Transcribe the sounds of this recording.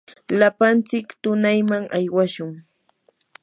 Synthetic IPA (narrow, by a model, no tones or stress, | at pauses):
lapant͡sɪkt̪ʊnajmaŋʔajwaʃʊŋ